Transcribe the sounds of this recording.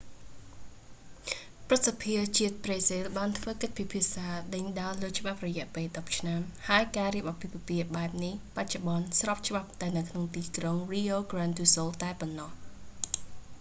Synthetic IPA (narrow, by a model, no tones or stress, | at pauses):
prɨt̪̚sapʰiət͡ɕiət̪̚preːsilɓaːnt̪ʰʋəːkəc̚pipʰiəsaːɗəɲɗaələːt͡ɕə̆ɓap̚rɔjɛ̆əʔpeːlɗɑp̚t͡ɕʰnamhaəjkaːriəp̚ʔapiʋɔpiəʔɓaɛp̚nihpac̚t͡ɕoɓɑnsrɑːp̚t͡ɕəɓap̚t̪aɛnɨwkʰnoŋt̪iːkroŋriːʔoːɡraːnt̪uːsoːlt̪aɛponːɑh